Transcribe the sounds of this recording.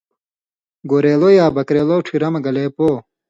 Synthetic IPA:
ɡoːɾeːlojaːbɐkɾeːloːʈʰiɾɐmɐɡɐleːpoː

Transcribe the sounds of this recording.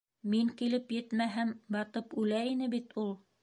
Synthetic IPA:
miŋkilɘpjɘ̆t̪mæɦæmbɑt̪ɤpʉlæinɘbit̪ulˠ

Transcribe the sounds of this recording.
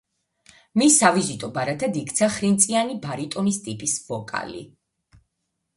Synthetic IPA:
misːavizit̪ʼɔbaɾat̪ʰad̪ikʰt̪sʰaχɾint̪sʼianibaɾit̪ʼɔnist̪ʼipʼisvɔkʼa̰lḭ

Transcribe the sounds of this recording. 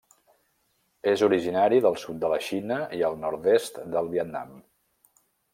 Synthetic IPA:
ezuɾiʒinaɾiðəlˠsut̪̚d̪ələʃinəiəlˠnɔɾt̪est̪d̪əlˠβiət̪na̰m

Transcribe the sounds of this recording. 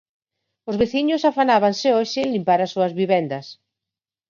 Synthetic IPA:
ozβeθiɲʊsafanaβansɪɔʃɪlimpaɾasːuɐzβiβɛnd̪ɐs

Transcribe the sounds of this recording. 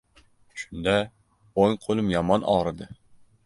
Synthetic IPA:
ʃʊ̥nd̪a | oŋqʰolˠɪmjɒmɒnʔɒ̰ɾɨd̪ɪ

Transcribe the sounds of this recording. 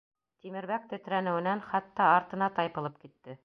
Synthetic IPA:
t̪imɘ̆ɾβæk̚t̪ɵ̆t̪ɾænɘ̆wɘ̆nænχɑt̪ːɑɑɾt̪ɤ̆nɑt̪ɑjpɤ̆lˠɤp̚kit̪ːɘ

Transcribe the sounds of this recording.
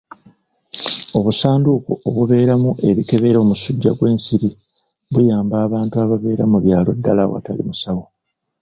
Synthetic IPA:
o̞βusaːndukooβuβe̞ːɾamuʔe̞βike̞βe̞ɾo̞ːmusuɟːaɡwe̞ːnsiɾi | βujaːmbaːβaːntuaβaβe̞ːɾamuβjaːlo̞̰dːalawa̰talḭmusawo

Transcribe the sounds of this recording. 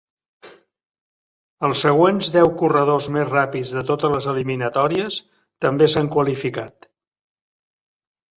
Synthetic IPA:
əlˠsəɣ̞wenzðɛwkurəð̞ozmezrapizðət̪ot̪ələzəliminət̪ɔɾiəs | t̪əmbesaŋkwəlifikat̪

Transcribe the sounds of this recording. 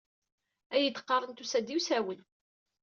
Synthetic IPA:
æjət̪ːə̥qːɑrˤənt̪usæd̪iwsæwən

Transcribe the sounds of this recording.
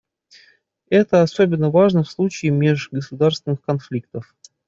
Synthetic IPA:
ɛt̪əɐsobʲɪnːəvaʐnəfslˠut͡ɕɪːmʲeʐɡəsʊd̪arst̪vʲɪnːɨxkɐnflʲik̚t̪əf

